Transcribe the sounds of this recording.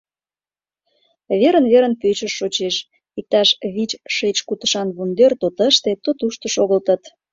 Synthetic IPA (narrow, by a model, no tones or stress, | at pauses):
βeɾənβeɾənpøt͡ɕəʃːot͡ɕeʃ | ik̚t̪ɑʃβit͡ɕʃet͡ɕkut̪ə̥̆ʃɑnβund̪ert̪ot̪əʃt̪et̪ot̪uʃt̪ə̆ʃoɣəlt̪ə̆t̪